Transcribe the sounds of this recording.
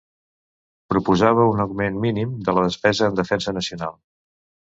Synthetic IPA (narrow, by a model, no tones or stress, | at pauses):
pɾupuzaβ̞əunəwmenminimd̪ələð̞əspɛzəːnd̪əfɛnsənəsiunalˠ